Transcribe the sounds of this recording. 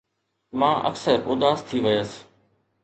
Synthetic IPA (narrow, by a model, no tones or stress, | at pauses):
mãːʔə̰ksəɾʊd̪aːst̪ʰiːʋɪjəs